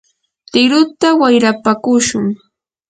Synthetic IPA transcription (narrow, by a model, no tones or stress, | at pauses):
t̪ɪɾʊt̪awajɾapakʊʃʊŋ